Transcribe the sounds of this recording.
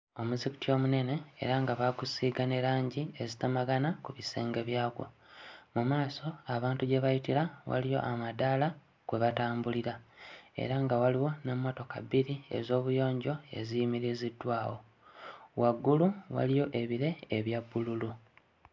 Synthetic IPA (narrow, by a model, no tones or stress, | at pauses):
o̞muziku̥tio̞ːmune̞ne̞̰ːɾaŋɡaβaɡusiːɡane̞ɾaːɲɟiezitamaɡanakuβiseːŋɡe̞βjaːɡo̞̰ | mumaːso̞aβaːntuɟe̞βajitiɾawa̰lijo̞̰ʔamadala | kweβataːmbuliɾaḛɾaŋɡawaliwo̞ne̞mːo̞to̞ka̰βiɾie̞̰zo̞ːβujo̞ːɲɟo̞e̞̰zijimiɾizidːwaːwo̞̰ | waɡːuluwa̰lijo̞ʔe̞βiɾe̞ːβjabːululu